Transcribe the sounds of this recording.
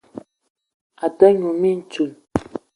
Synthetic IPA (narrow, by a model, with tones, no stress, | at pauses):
a˨tə˦ɲu˨mi˦n̩˨˦t͡ʃu˨n